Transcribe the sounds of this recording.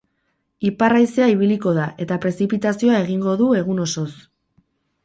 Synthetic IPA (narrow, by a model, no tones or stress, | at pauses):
iparajseaiβiliko̞ð̞aʔe̞t̪apɾe̞sipit̪asioae̞ɣiŋɡo̞ðue̞ɣ̞uno̞so̞s